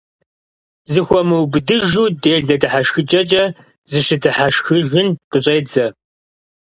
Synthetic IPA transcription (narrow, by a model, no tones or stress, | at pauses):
zɨxʷɔmɨwbɨdɨʒuːdeːɮɐdɨħaʂxɨt͡ʃʼɐt͡ʃʼɐ | zɨʃɪdɨħaʃxɨʒɨnqəɕʼeːd͡zɐ